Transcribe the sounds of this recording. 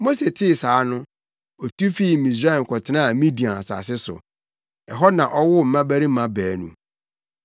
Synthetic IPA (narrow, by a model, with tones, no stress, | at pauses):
mo˦se˨tʰɪ˦˨saː˨˦nʊ̃˦ | ɔ˨tʰu˦fi˦˨mĩ˨s̬ɾa˦ɛ̃˨n̩˨kʰɔ˨tʰɪ˦nã˦a˨mĩ˦di˨ã˨a˨sa̰˨sɪ˦sʊ̰˨ | ɛ˨ɦɔ˦nã˨ʔɔ˦wʊ˦m̩˨mã˦bæ˦ɾi˦ã˦bæː˨nṵ̃˨